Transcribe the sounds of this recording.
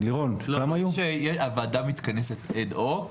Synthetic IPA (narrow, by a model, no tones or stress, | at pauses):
liʁonɡamajuʃejeʃavaːdamit̪kanesetedok